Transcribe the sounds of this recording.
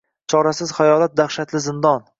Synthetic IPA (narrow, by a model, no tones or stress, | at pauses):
t͡ʃʰɒɾasɪz̥hajɒlat̪̚d̪aχʃat̪lɪzɪnd̪ɒn